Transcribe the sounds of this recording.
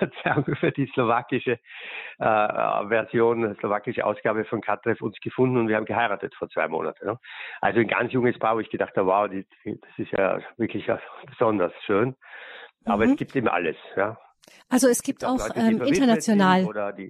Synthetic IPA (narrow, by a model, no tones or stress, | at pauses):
t͡sakfyːɐdiːslovaːkɪʃəʔɛ̰ːvɛɐzjoːnslovaːkɪʃəʔa̰ʊsɡ̥aːbəfɔnkʰatʁɛfʊnsɡ̥əfʊndn̩ʊtviːɐaːmɡəhaɪʁaːtətfoːɐt͡sv̥a̰ɪmo̰ːna̰tənnəʔa̰lzoɪnɡa̰nt͡sjʊŋəspʰaːvoːɪçɡ̥ədaχthaːbəwaʊdiːd̥id̥asɪstja̰ːvɪɐkʰlɪçja̰b̥əz̥ɔndɐsʃøːn | ʔaːbɐɛɡ̥iːp̚teːbm̩ʔa̰ləsja̰ː | ʔalzoɛsɡ̥iːp̚taʊlɔːʔtɛimfɐɪntɐnat͡sjonaːloːdɐdiː